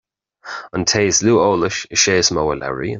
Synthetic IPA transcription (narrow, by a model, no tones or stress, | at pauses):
əntʰeːzluːoːlɪʃəʃeːsmowəlɛ̰ɹḭ